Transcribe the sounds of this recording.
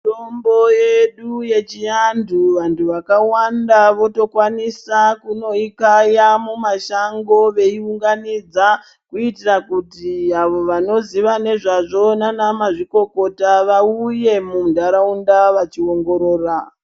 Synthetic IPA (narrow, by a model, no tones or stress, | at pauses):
tombojeɗuje̞t͡ʃijanduʋantuʋakawandaʋo̞to̞kwanisakuno̞ikajamumaʃaŋɡo̞ʋe̞iuŋɡanid͡za | kuitirakutiaʋo̞ʋano̞ziʋane̞ʐaʐo̞nanamaʐiko̞ko̞taʋauje̞mumudʱaɾaundaʋat͡ʃio̞ŋɡo̞ɾo̞ːra